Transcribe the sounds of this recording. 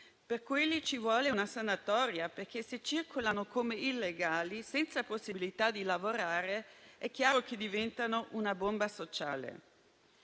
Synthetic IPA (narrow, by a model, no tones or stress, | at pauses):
perkwelːit͡ʃivwɔːleunasanat̪ɔːɾjaperk̟eset͡ʃːirkolanokʰomeilːeɡaːlisɛnt̪saposːibilit̪ad̪ilavoɾaːɾeɛkːjaːɾoked̪ivɛnt̪anoʔunabombasot͡ʃa̰ːlḛ